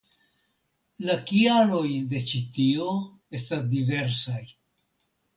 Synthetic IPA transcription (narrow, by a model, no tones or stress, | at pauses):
lakialo̞jde̞t͡ʃit̪io̞ | e̞stasdive̞ɾsaj